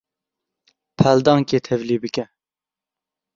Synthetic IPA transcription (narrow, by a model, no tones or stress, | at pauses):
pʰɛld̪ɑːŋkeːt̪ʰɛvliːbɨkʲɛ